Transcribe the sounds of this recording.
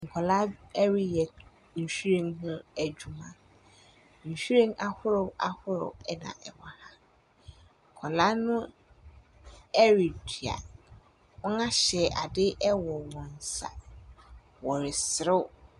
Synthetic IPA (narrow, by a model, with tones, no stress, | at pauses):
ŋ̩˨kʰɔ˨la˦ɛ˦ɾɪ˦jɛ˨ | ɲ̩˨sᶣu˦ɾẽ˦ŋɦʊ̃˦æ˨d͡ʑᶣu˨mã̰˨ | sᶣu˦ɾẽ˦ŋʔa˦hʊ˦ɾʊ˦a˦hʊ˦ɾʊ̰˨ɛ˦nã̰˨ʔɛ˨wa˨ha˦ | ŋ̩˨kʰɔ˨la˦nʊ̃˦ | ɛ˦ɾi˨di˨a̰˨ | ɔ̃˦nã˦ɕɛ˨ʔa˨dɪ˦ʔɛ˦wɔ˨wɔ̃˨n˨sa̰˨ | wɔ˨ɾɪ˨sɪ˨ɾɪ˦